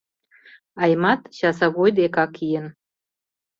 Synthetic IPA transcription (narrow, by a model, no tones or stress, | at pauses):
ɑjmɑt̪ɕɑsɑɣojd̪ekɑkʰijən